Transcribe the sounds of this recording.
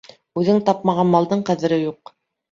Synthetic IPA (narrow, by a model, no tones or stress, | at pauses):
ʉðɘŋt̪ɑp̚mɑʁɑnmɑlˠd̪ɤɴqæðɘ̆ɾɘjuq